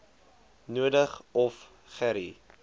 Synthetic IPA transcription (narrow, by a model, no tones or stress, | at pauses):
nuədəχɔf | χæɾi